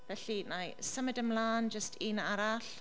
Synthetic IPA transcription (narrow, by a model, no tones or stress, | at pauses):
vɛɬinajsəmɪdəmlaːnd͡ʒəstʰinaɾaɬ